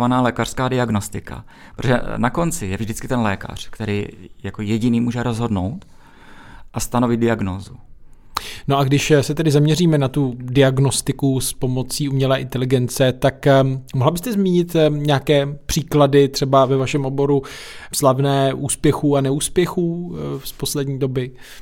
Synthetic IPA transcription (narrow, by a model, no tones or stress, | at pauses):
vanaːlɛːkar̥skaːdɪaɡnost̪ɪka̰ | pɾot̪oʒɛ̰nako̞nt͡sɪjɛvʒdɪt͡skɪt̪ɛnlɛːka̰r̝̥kt̪ɛɾiːjakojɛɟɪniːmuːʒɛɾozɦo̞dnowt̪ | ʔast̪ano̞vɪd̪dɪaɡnoːzu | no̞ʔaɡdɪʃsɛt̪ɛdɪzamɲɛriːmɛnat̪udɪaɡno̞st̪ɪkuspo̞mo̞t͡siːumɲɛlɛːʔɪnt̪ɛlɪɡɛnt͡sɛt̪akmoɦlabɪst̪ɛzmiːɲɪt̪ɲɛaːkɛːpr̥iːkladɪt̪r̝̥ɛbavɛvaʃɛmʔo̞bo̞ɾuslavnɛːʔuːspjɛxuːanɛuːspjɛxuːspo̞slɛdɲiːdo̞bɪ